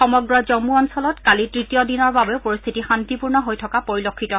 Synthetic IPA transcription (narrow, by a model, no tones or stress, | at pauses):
xɔmɔɡɹɔzɔmuɔnsɔlɔtkalitɹitijɔdinɔɹbabeʊpoɹist̪ʰitixantipuɹnɔɦojtʰɔkapoɹilokʰːitɔ